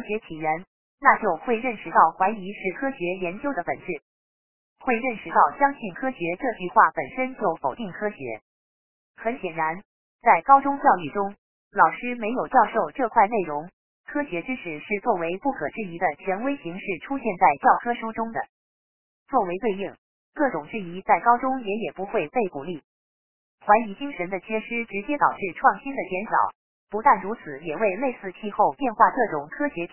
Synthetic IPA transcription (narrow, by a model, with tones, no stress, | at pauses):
ɕɥɛ˧˥t̪ʰi˨˩ɻə˧˥n | na˥˧t͡ɕjo˥˧ʊxwe˥˧ɪɻə˥˩nʂɻ̩˧˥t̪ɑ˥˩ʊxwa˧˥ɪi˧˥ʂɻ̩˥˩kʰɤ˥ɕɥɛ˧˥jɛ˧˥nt͡ɕjo˥ʊd̪ə˩pə̰˨˩nʈ͡ʂɻ̩˥˩ | xwe˥˧ɪɻə˥˩nʂɻ̩˧˥t̪ɑ˥˩ʊɕjɑ˥ŋɕi˥˩nkʰɤ˥ɕɥɛ˧˥ʈ͡ʂɤ˥˧t͡ɕy˥˧xwa˥˩pə˨˩nʂə˥nt͡ɕjo˥˩ʊfo˨˩ʊt̪i˥˩ŋkʰɤ˥ɕɥɛ̰˧˥ | xə˧˥nɕjɛ˨˩nɻa˧˥n | t͡sa˥˩ɪkɑ˥ʊʈ͡ʂʊ˥ŋt͡ɕjɑ˥˧ʊy˥˩ʈ͡ʂʊ˥ŋ | lɑ˨˩ʊʂɻ̩˥me˧˥ɪjo˨˩ʊt͡ɕjɑ˥˧ʊʂo˥˧ʊʈ͡ʂɤ˥˧kʰwa˥˧ɪne˥˩ɪɻʊ˧˥ŋ | kʰɤ˥ɕjɛ˧˥ʈ͡ʂɻ̩˥ʂɻ̩˨˩ʂɻ̩˥˧t͡swɔ˥˩we˧˥ɪpu˥˩kʰɤ̰˨˩ʈ͡ʂɻ̩˥˩i˧˥d̪ə˧t͡ɕʰɥɛ˧˥nwe˥ɪɕi˧˥ŋʂɻ̩˥˩ʈ͡ʂʰu˥ɕjɛ˥˧nt͡sa˥˩ɪt͡ɕjɑ˥˩ʊkʰɤ˥ʂu˥ʈ͡ʂʊ˥ŋd̪ə̰˩ | t͡swɔ˥˩we˧˥ɪt̪we˥˧ɪi˥˩ŋ | kɤ˥˩ʈ͡ʂʊ˨˩ŋʈ͡ʂɻ̩˥˩i˧˥t͡sa˥˩ɪkɑ˥ʊʈ͡ʂʊ˥ŋjɛ˧˥jɛ˨˩pu˧˥xwe˥˧ɪpe˥˩ɪku˨˩li˥˩ | xwa˧˥ɪi˧˥t͡ɕi˥ŋʂə˧˥nd̪ə˧t͡ɕʰjɛ˥ʂɻ̩˥ʈ͡ʂɻ̩˧˥t͡ɕjɛ˥t̪ɑ̰˨˩ʊʈ͡ʂɻ̩˥˧ʈ͡ʂʰwɑ˥˩ŋɕi˥nd̪ə˨t͡ɕjɛ˧˥nʂɑ̰˨˩˦ʊ | pu˧˥t̪a˥˩nɻu˧˥t͡sʰɹ̩˨˩jɛ˨˩we˥˧ɪle˥˧ɪsɹ̩˥˧t͡ɕʰi˥˧xo˥˧ʊpjɛ˥˧nxwa˥˧kɤ˥˩ʈ͡ʂʊ˨˩ŋkʰɤ˥ɕjɛ˧˥